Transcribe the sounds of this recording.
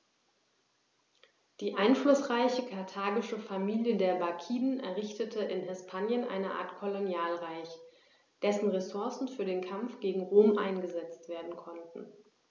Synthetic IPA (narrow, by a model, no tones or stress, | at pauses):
d̥iːʔaɪnflʊsʁ̥aɪçəkʰaɐtʰaːɡɪʃəfamiːljədeːɐbakʰiːdnʔɛ̰ɐʁɪçtətʰəɪnɦɛspʰaːnjənʔa̰ɪnəʔa̰ːɐtkʰɔlonjaːlʁaɪç | d̥ɛsn̩ʁesʊɐsn̩fyːɐdeːnkʰamfɡ̥eːɡŋ̩ʁoːmʔa̰ɪnɡəzɛt͡stv̥eːɐdn̩kʰɔntn̩